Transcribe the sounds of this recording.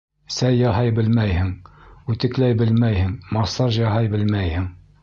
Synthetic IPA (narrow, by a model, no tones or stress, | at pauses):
sæjːɑɦɑjbɘlmæjhɘŋʉt̪ɘ̆klæjbɘlmæjhɘŋmɑsɑɾʑjɑɦɑjbɘlmæjhɘŋ